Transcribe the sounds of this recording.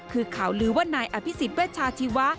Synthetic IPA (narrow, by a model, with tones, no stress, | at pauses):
kʰɯː˧kʰa˨˩˦wɾɯː˩˦waː˥˩naː˧jʔa˧pʰi˦˥si˨˩t̪̚wɛː˥˩t̪̚t͡ɕʰaː˧t̪ʰi˧wa˦˥